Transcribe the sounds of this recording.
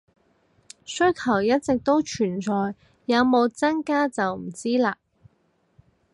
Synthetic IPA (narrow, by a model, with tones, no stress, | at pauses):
sɵ˥ɥkʰɐ˨˩wjɐ˥t̚t͡sɪ˨k̚t̪o˥wt͡ʃʰyː˨˩nt͡ʃɔː˨˧jː | ɐ˨˧wmo˨˧wt͡sɐ˥nkaː˥t͡sɐ˨wm̩˨˩t͡siː˥laː˧